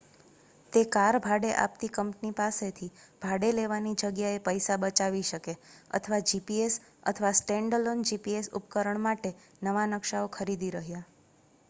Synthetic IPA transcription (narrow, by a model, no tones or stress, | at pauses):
t̪ekaɾbʱaɽeʔa̰p̚t̪ikəmpnipaset̪ʰibʱaɽeleʋanid͡ʒəɡjaepəjsabət͡ʃaʋiʃəkeə̰t̪ʰəʋad͡ʒipies | ə̰t̪ʰəʋasʈẽɳɖəlond͡ʒipiesṵpkəɾəɳmaʈe | nəʋanəkʃaokʰəɾid̪iɾəɦja